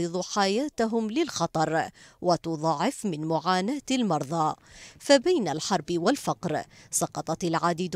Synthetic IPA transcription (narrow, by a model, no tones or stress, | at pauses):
ɨðˤuħajaːt̪aɦʊmlɪlxɑt̪ˤɑɾˤwʔat̪ʊðˤɑʕɪfmɪnmʊʕaːnaːt̪almɑɾˤðˤɑːfabajnalħɑɾˤbwalfɑqɾsˤɑqɑt̪ˤɑtalʕaːd̪id̪